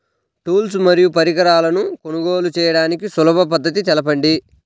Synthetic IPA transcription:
ʈuːls̬mɐɾijupɐɾiɡɐɾaːlɐnukonuɡo̞ːlut͡ʃɛːjɐɽaːnikisulɐbɐp̬ɐd̪ːɐt̪̬it̪ɛlɐpɐɳɖi

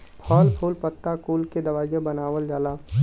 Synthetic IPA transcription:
pʰɔːlpʰuːlpət̪ːakuːlked̪ɐʋaːijẽbɐnaːʋəld͡ʒaːlaː

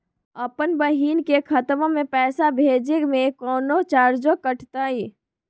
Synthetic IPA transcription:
əpənbəɦiːnkekʰət̪mõmẽpɛːsabʱeːd͡ʒemẽkɔːnot͡ʃaːɾd͡ʒokəʈʰt̪ai

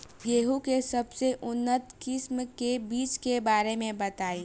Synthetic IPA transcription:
jeːɦukesɐbseʔʊnːət̪kɪsmkebiːt͡ʃkebaːɾemẽbɐt̪aːiː

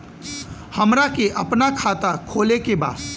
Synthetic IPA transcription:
həmɾakeʔɐpnakʰaːt̪akʰoːlekeba̰ːd̪

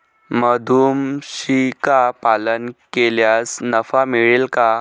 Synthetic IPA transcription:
məd̪ʱuːmɕikapalənkeljasnəfamiɭelka

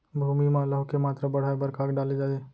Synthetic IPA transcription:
bʱuːmimãləɦʊkemaːt̪ɾabɐɽ̤aːbəɾkaːkɖaːled͡ʒaːd̪eː

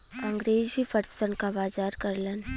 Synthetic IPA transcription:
ɐ̃ŋɡɾeːzbʱifəɾsənkabaːd͡ʒaːɾkəɾlən

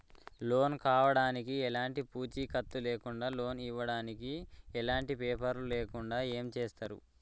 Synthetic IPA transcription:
lo̞ːnkaːʋɐɽaːnikiɛlaːɳʈipuːt͡ʃiːkɐt̪ːuleːkuɳɖaːlo̞ːniʋːɐɽaːnikiɛlaːɳʈipɛːpɐɾluleːkuɳɖaːe̞ːmt͡ʃeːst̪aːɾṵ

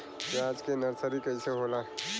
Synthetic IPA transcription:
keaːd͡ʒkenəɾsəɾikəiseɦola

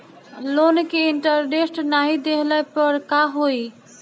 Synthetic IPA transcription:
lonkeɪɳʈəɾɖesʈnaɦid̪eɦləpəɾkaɦoi

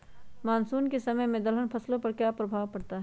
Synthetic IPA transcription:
maːnsuːnkesɐməjmẽd̪ɐlənpʰɐslõpɐɾkjaːpɾɐbʱaːʋpɐɽt̪aɦɛː

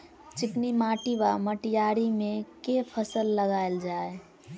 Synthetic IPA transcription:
t͡ʃiknimaʈiβaməʈijaɾimẽkepʰəsəlːəɡaeld͡ʒae

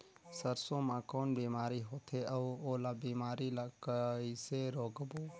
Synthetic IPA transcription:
səɾsõːmãkoːnbiːmaːɾiɦoːt̪ʰeʔəʋoːlaːbiːmaːɾilaːkəiseɾoːɡboː

